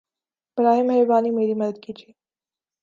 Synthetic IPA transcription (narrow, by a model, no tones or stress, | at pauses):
ɪbɾaːɦɪmɦɐjbaːnimeːɾimɐd̪əd̪̚kiːd͡ʒʰiː